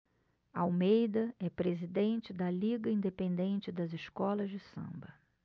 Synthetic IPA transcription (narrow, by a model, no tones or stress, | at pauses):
awmejd̪ɐɛpɾezid̪ẽnt͡ʃɪd̪ɐliɡɐĩnd̪epẽnd̪ẽnt͡ʃɪd̪ɐzɪʃkɔlɐzd͡ʒɪsɐ̰̃mbɐ